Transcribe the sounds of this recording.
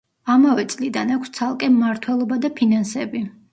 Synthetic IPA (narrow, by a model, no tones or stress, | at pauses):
amavɛt̪sʼlid̪anakʷʰst̪sʰalˠkʼɛmːaɾt̪ʰwɛlˠɔbad̪apʰinansɛbi